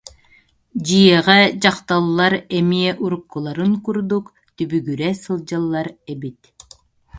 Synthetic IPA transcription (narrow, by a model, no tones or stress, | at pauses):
d͡ʑɯjɛʁɛd͡ʑɑqt̪alˠːaɾɛmiɛʔuɾukːulˠaɾɯŋkuɾd̪uk | t̪ybyɡyɾɛsɯlˠd͡ʑalˠːaɾɛbit̪